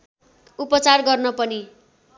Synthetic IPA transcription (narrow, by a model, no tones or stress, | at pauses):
upʌt͡sarɡʌrnʌpʌni